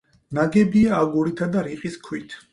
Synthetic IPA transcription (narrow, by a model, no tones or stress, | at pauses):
naɡɛbiaːɡuɾit̪ʰad̪aɾiqʼiskʰwit̪ʰ